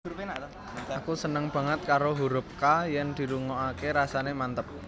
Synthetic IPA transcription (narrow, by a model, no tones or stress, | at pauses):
pena | akusənəŋb̥a̤ŋət̪̚kaɾoɦuɾʊp̚kajɛnd̪̥i̤ɾuŋoakeɾasanemant̪əp̚